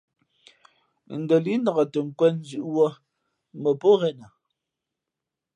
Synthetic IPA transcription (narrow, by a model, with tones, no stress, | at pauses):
n̩˨də˨li˦nɔ˨ɣɔ˨tə˨ŋ̩˨kwɛ˦n̩˦zʉ˨ʔwɔ˦ | mə˨pɔ˦ɣɛ˦na˨